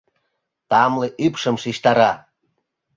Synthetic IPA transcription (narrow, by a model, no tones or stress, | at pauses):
t̪ɑmleʔypʃə̆mʃiʃt̪ɑɾɑ